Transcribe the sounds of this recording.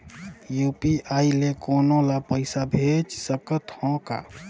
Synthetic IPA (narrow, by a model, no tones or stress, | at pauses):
juːpiʔaːilekoːnõlapəɪsabʱet͡ʃsəkət̪hɔ̃ka̰